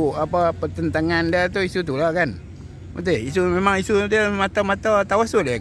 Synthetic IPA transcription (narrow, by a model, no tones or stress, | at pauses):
uapapət̪ənt̪aŋandat̪uisut̪ulakan | mat̪ehisumemaŋisud̪amat̪amat̪at̪awasule